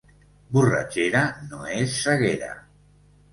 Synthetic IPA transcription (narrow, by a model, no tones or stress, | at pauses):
bura̰t͡ʃeɾanoesːaɣeɾa̰